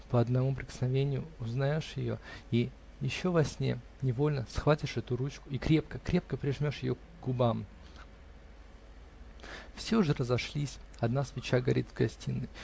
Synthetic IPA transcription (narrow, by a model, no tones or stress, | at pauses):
pəɐd̪nɐmup̬ɾʲɪkə̥snɐvʲenʲɪjʊʊznɐjo̞ʂjɪjo̞̰i | jɪɕːo̞vɐsʲnʲḛ | nʲɪvo̞lʲnəsxvatʲɪʂɛt̪ʊɾut͡ɕkʊ̥ikɾʲe̞pkəkɾʲe̞p̚kəpɾʲɪʐmʲo̞ʂjɪjo̰ɡ | ɡʊbam | fsʲeʊʐɨrəzɐʂlʲisʲɐd̪nasvʲɪt͡ɕaɡɐɾʲid̪zɡɐsʲtʲinːɨj